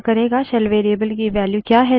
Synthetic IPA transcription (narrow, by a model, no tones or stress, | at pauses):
kɐɾeːɡaʃɛlʋeːɾiəbəlkiʋɛːljukjaːɦɛ